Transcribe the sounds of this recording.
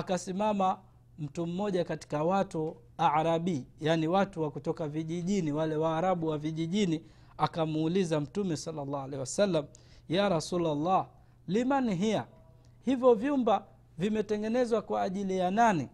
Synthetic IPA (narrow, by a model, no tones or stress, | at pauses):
akasimama | m̩tum̩ːɔʄakati̥kawatu | aɾaɓiːjaniwatuwakutɔkaviʄiʄiniwalɛwaːɾaɓuwaviʄiʄini | akamːlizam̩tumɛsalːalːaːalɛhiwasalːam | jaɾasulalːa | limaniɦia | hivjɔvjumba | vimɛtɛŋɡɛnɛzwakwaːʄilijanani